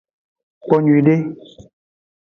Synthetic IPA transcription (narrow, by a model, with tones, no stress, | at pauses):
k͡pɔ˨ɲu˨i˨ɖe˦